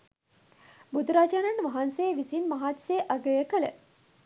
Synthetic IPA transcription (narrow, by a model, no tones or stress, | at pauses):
bud̪uɾaːd͡ʒananʋɐɦansejʋisinmɐɦaːt̪seːʔɐɡəjəkələ̰